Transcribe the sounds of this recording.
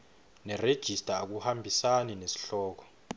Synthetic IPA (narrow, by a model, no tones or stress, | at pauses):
nɛred̥ʒ̥ʱistʼaːk̬uhambʱisaninesi̥ɬɔːk̬ɔ̥